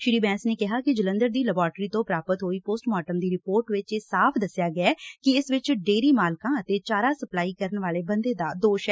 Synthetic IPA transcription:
ʃɪɾiːbɛ̃ːnsneːkɪɦaːkɪd͡ʒələnd̪əɾd̪iːləbaːɾʈɾiːt̪õːpɾaːpət̪ɦoːiːpoːsʈmaːʈəmd̪iːɾɪpoːɾʈʋɪt͡ʃeːsaːpʰd̪əsːɪjaːɡɪɛːkɪɪsʋɪt͡ʃɖeːɾiːmaːlkãːət̪eːt͡ʃaːɾaːsəplaːiːkəɾənʋaːleːbənd̪eːd̪aːd̪oːʃɛː

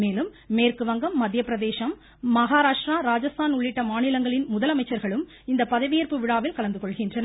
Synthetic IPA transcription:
meːlɯmːeːɾkɯʋɐŋɡɐmːɐd̪jɐpːɪɾɐðeːʃɐmː | ɐɣaːɾaːʂʈɾaːɾaːd͡ʒɐst̪ʰaːnʊɭːɪʈːɐmaːnɪlɐŋɡɐɭɪnmʊðɐlɐmɐɪt͡ʃːɐɾɣɐɭɯm | ɪnd̪ɐpɐðɐʋɪjɐɾpɯʋɪɽaːʋɪlkɐlɐnd̪ɯkɔɭɣɪndrɐnɐ

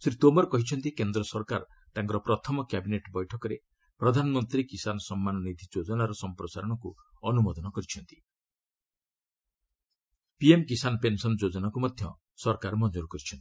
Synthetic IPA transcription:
sɾit̪omɔɾɔkɔɦit͡ʃʰɔnt̪ikend̪ɾɔsɔɾkaɾ | t̪ãŋkɔɾɔpɾɔt̪ʰɔmɔkjabineʈbɔjʈʰɔkɔɾe | pɾɔd̪ʱanɔmɔnt̪ɾikisanɔsɔmːanɔnid̪ʱid͡ʒod͡ʒɔnaɾɔsɔmpɾɔsaɾɔɽ̃ɔku | ɔnumɔd̪ɔnɔkɔɾit͡ʃʰɔnt̪i̥ | piemkisanɔpensɔnɔd͡ʒod͡ʒɔnakumɔd̪ʱjɔ | sɔɾkaɾmɔnd͡ʒoɾkɔɾit͡ʃʰɔnt̪i̥

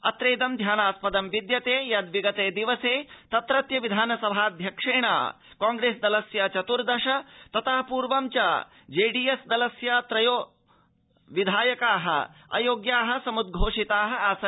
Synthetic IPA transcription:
ɐ̰t̪ɾeːd̪ɐmd̪ʱjaːnaːspɐd̪ɐmʋid̪jɐt̪eːjɐd̪ʋiɡɐt̪eːd̪iʋɐseːt̪ɐt̪ɾɐt̪jɐʋid̪ʱaːnɐsɐbʱaːɐd̪ʱjɐkʂeːɳa̰ː | kaːŋɡɾeːsd̪ɐlɐsjɐt͡ʃɐt̪uɾd̪ɐʂɐt̪ɐt̪ɐɦɐpuːɾʋɐmt͡ʃɐ | d͡ʒeːɖiːesd̪ɐlɐsjɐt̪ɾɐjoː | ʋid̪ʱaːjɐkaːɦɐ̰ɐ̰joːɡjaːɦɐ̆sɐmud̪̚ɡʱoːʂit̪aːɦɐaːsɐ

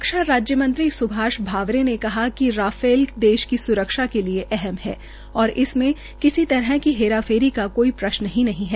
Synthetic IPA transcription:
kʃaɾaːd͡ʒjəmɐ̃nt̪ɾisʊbʱaːʃbʱaːʋɾenekɐɦakiɾaːfeːlkd̪eːʃkisʊɾəkʃakelieʔɛɦɛmɦɛ̰ː | ɔːɾɪsmẽ | kɪsit̪ɐɾɦɛkiɦeːɾaːfʰeːɾikakoːipɾɐʃnɦĩnɐɦĩɦɛː

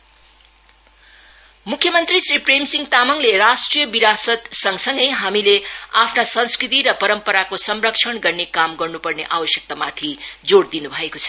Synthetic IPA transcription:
mukʰːjʌmʌnt̪risripremsiŋɡt̪amʌŋleɾasʈrijʌbiɾasʌt̪sʌŋsʌŋɡʌjɦamileapʰnasʌ̃nskɾit̪iɾʌpʌɾʌmpʌɾakosʌmrʌkt͡ʃʰʌɳɡʌrnekamɡʌrnupʌrneʔawʌsjʌk̚t̪amat̪ʰid͡zoɽd̪inubʱʌekot͡sʰʌ̥

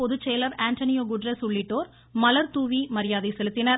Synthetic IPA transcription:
pɔðɯt͡ʃːejlɐɾaːɳt̪ɐnɪjoːɡʊɖrɐsʊɭːɪʈːoːɾ | mɐlɐɾt̪uːʋimɐɾɪjaːðɐsɛlɯt̪ːɪnɐɾ

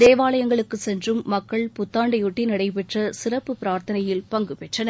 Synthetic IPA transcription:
d̪eːʋaːɭɐjɐŋɡɐɭɯkːɯsɛndrɯmːɐkːɐɭpʊt̪ːaːɳɖɐjʊʈːinɐɽɐɪpɛʈrɐsɪrɐpːɯpɪɾaːɾt̪ɐnɐjɪlpɐŋɡɯpɛʈrɐnɐ

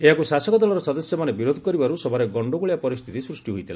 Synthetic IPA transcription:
eɦakusasɔkɔd̪ɔlɔɾɔsɔd̪ɔsjɔmanebiɾod̪ʱɔ̥kɔɾibaɾusɔbʱaɾeɡɔɳɖoɡuɭijapɔɾist̪ʰit̪isɾusʈiɦojt̪ʰila̰

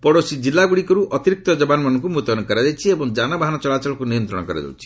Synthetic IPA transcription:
pɔɽosid͡ʒilːaɡuɽikɔɾuʔɔt̪iɾik̚t̪ɔd͡ʒɔbanɔmanɔŋkumut̪ɔɔnɔkɔɾad̪ejt͡ʃʰiebɔŋd͡ʒanabaɦanɔt͡ʃɔlat͡ʃɔlɔkunijɔnt̪ɾɔɽɔkɔɾa̰d̪a̰wt͡ʃʰi̥

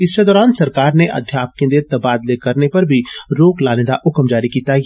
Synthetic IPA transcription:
ɪsːed̪ɔːɾaːnsɐɾkaːɾneʔɐ̰d̪ʱjaːp̚kẽnd̪eːɾt̪ɐbaːd̪lekɐɾnepɐɾbʱiɾoːklaːned̪aʔʊkəmd͡ʒaːɾikit̪aːj

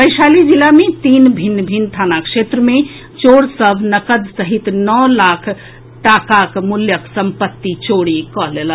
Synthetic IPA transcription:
pəjsalid͡ʒilamet̪inbʱinːbʱint̪ʰanakset̪ɾəme | t͡ʃoɽsəbʱnəkəd̪səɦit̪nɔlakʰ | ʈakakmuljəksəmpət̪ːit͡ʃoɽikɔɦlelə

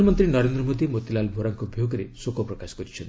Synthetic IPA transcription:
mɔnt̪ɾinɔɾend̪ɾɔmod̪imot̪ilalbʱoɾaŋkɔbʱjoɡɔɾesokɔpɾɔkasɔ̥kɔɾit͡ʃʰɔn

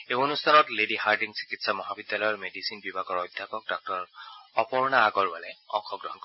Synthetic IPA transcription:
eonustʰanɔtledihaɹdiŋsi̥kitsamɔɦabid̪jalɔjɔɹmedisinbibʱaɡɔɹɔjd̪ʱjapɔk̚dɔk̚tɔɹɔpɔɹnaːɡɔɹbalɛɔ̰ŋkʰːɔɡɹɔɦɔnkɔ

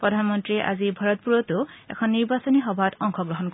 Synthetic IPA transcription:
pɹɔd̪ʱanmɔntɹieʔa̰zibʱaɹɔt̪̚puɹɔtʊɛ̰kʰɔnːiɹbasɔnixɔbʱatɔŋkʰɔɡɹɔɦɔnkɔ

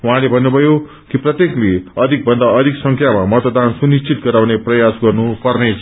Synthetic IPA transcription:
uɦãlebʱʌnːubʱʌjo | kiprʌt̪jekleʌd̪ʱik̚bʱʌnd̪aʌd̪ʱiksʌŋkʰjamamʌt̪d̪ansunist͡sit̪̚ɡʌɾawneprʌjasɡʌrnupʌrnet͡sʰ

